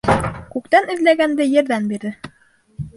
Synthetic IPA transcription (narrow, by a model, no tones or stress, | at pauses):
kʉkt̪ænɘ̆ðlæɡænd̪ɘjɘ̆ɾðænbiɾðɘ